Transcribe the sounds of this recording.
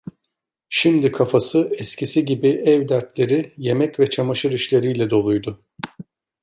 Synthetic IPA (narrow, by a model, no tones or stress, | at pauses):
ʃimd̪ikʰafasɯɛscʰisiɟibiʔɛvd̪æɾt̪lʲe̞ɾɪje̞mɛcvɛt͡ʃʰamaʃɯɾiʃlʲe̞ɾijlʲɛd̪o̞lˠujd̪ʊ